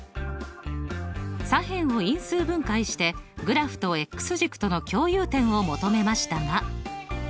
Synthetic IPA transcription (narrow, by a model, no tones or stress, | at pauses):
sãɦẽ̞ɰ̃o̞ĩɰ̃sɨːbɯ̟̃ŋkaiɕi̥t̪e̞ɡɯ̟ɾaɸɯ̟̥t̪o̞e̞kːɯ̟̥sɨʑikːɯ̥t̪o̞no̞kʲo̞ːjɯːt̪ẽ̞ɰ̃o̞mo̞t̪o̞me̞maɕi̥t̪aŋa